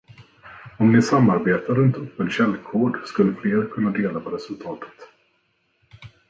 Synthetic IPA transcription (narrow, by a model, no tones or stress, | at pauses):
ɔmnɪsamːaɾbeːt̪ʰaɾɵnt̪ɵpːənɕɛlːkʰoːɖskɵlːəfleːɾkʰɵnːad̪eːlapʰɔɾɛsɵlt̪ʰɑːt̪ʰə̥t̪